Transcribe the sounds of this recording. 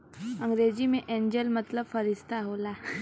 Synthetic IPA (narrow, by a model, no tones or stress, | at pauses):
əŋɡɾed͡ʑimeʔẽɲd͡ʑəlmət̪ləbfəɾist̪ʰaɦola